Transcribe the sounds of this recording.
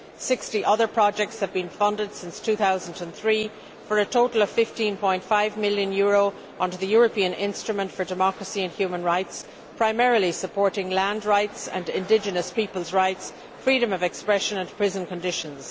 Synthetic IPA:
sɪkstiʔʌðə˞pʰɹ̥ɑd͡ʒɛk̚tshɨvbĩnfʌ̃ndəd̥sɪ̃nstʰʉθaʊzən̩də̃nθɹiː | fə˞ətʰoʊɾl̩ˠʌv̥fɪftĩnpʰɔ̃ɪ̃ntfaɪvmɪlˠjə̃njʊɹoʊ | ʔʌ̃ndə˞ðɨjɔɹəpʰĩə̃nɪ̰̃nstɹ̥əmə̃ntfə˞dɨmɑkɹəsiɨ̃nhjʉmə̃nɹaɪts | pʰɹ̥aɪmɛɹəlˠisəpʰɔɹɾɪ̃ŋlæ̃ndɹaɪtsə̰̃ndɪ̃ndɪd͡ʒɨnəspipəlˠzɹaɪts | fɹiɾə̃mʌvɛkspɹɛʃə̃nə̃npʰɹ̥ɪzə̃nkə̃ndɪʃə̃nz̥

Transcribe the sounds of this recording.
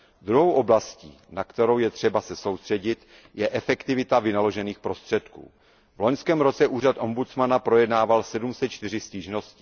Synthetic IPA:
d̪ɾuɦo̞wʔo̞blascḭːnakt̪ɛɾo̞wjɛt̪r̥ɛbasɛso̞wst̪r̥ɛɟɪt̪ | jɛʔɛfɛkt̪ɪvɪt̪avɪnalo̞ʒɛniːxpɾo̞st̪r̥ɛt̪kṵː | vlo̞ɲskɛːmɾo̞t͡sɛʔuːr̝at̪ʔo̞mbut͡smanapɾo̞jɛdnaːvalsɛdumsɛt̪t͡ʃt̪ɪr̝ɪsciːʒno̞scɪ̥

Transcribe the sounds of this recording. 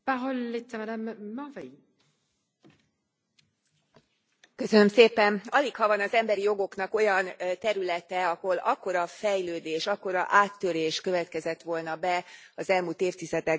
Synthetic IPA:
b̥aɦolːet̪sɛmɛd̪ɛmːavɛi | kø̞sønø̞mseːpɛnɒlikhɒvɒnɒzɛmbɛɾijo̞ɡo̞knɒko̞jɒnt̪ɛɾylɛt̪ɛɒho̞lɒkːo̞ɾɒfɛjløːd̪eːʃɒkːo̞ɾɒ̰ʔaːt̪ːø̞ɾeːʃkø̞vɛt̪kɛzɛt̪ʋo̞lnɒbɛɒzɛlmuːlt̪eːft̪izɛd̪ɛ

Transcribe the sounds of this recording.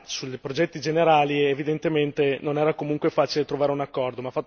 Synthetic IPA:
sulpɾod͡ʒɛt̪ːid͡ʒeneɾaːlievid̪ent̪ement̪enonɛːɾakomuŋkwefaːt͡ʃilet̪ɾovaːɾeunakːɔrd̪omafːat̪ː

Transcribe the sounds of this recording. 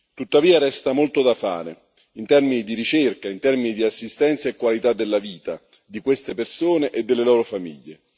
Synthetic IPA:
t̪ut̪ːaviːaɾɛst̪amolt̪od̪afa̰ːɾe | int̪ɛrminid̪iɾit͡ʃerkaint̪ɛrminid̪iasːist̪ɛnt̪saekːwalit̪ad̪ːelːaviːt̪a | d̪ikwest̪epersoːneʔed̪ːelːelɔːɾofamiʎːe

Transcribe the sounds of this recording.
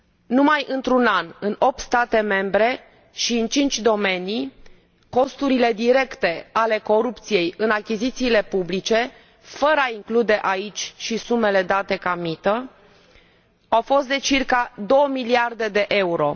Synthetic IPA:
numajʔɨnt̪ɾunanɨno̞p̚t̪st̪at̪e̞me̞mbɾe̞ | ʃiɨnt͡ʃint͡ʃʲd̪o̞me̞ni | ko̞st̪uɾile̞d̪iɾe̞kt̪e̞ale̞ko̞ɾup̚t̪sije̞jɨnakʲizit̪siːle̞publit͡ʃe̞ | fəɾəaiŋklud̪e̞ʔait͡ʃʲʃisume̞le̞d̪at̪e̞kamit̪ə | awfo̞st̪̚d̪e̞t͡ʃirkad̪o̞wəmiliard̪e̞d̪e̞ʔe̞uɾo̞

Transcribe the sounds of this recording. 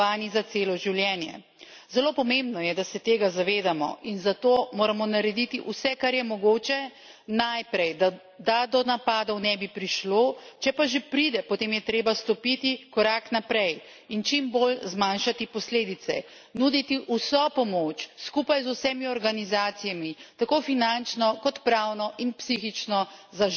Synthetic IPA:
aːnizat̪seːlɔʒiwljɛnjɛ̰ | zɛloːpɔmẽmbnɔjɛd̪asɛt̪eːɡazaʋeːd̪amɔ̰ʔinzat̪oːmoːɾamɔnaɾɛd̪it̪iʔusɛkaɾjɛmɔɡoːt͡ʃɛ | najpɾɛjd̪a | d̪ad̪ɔnapaːd̪ɔwnɛbipɾiʃloːt͡ʃɛpaʒepɾid̪ɛpɔt̪eːmjɛt̪ɾeːbast̪ɔpit̪ikɔɾaknapɾɛj | int͡ʃimbolzmanʃat̪ipɔsleːd̪it̪sɛ̰ | nud̪it̪iʔusɔpɔmot͡ʃskupajzusɛmiɔɾɡanizaːt̪sijamit̪akofinant͡ʃnɔkɔt̪pɾawnɔʔinpsixit͡ʃnɔzaʒ

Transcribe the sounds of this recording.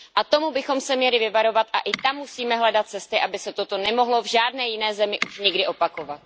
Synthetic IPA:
ʔat̪o̞mubɪxo̞msɛmɲɛlɪvɪvaɾo̞vat̪ʔa̰ʔɪt̪amːusiːmɛɦlɛdat̪̚t͡sɛst̪ɪʔabɪsɛt̪ot̪o̞nɛmo̞ɦlo̞vʒaːdnɛːjɪnɛːzɛmɪʔuʃɲɪɡdɪʔo̞pako̞vat̪

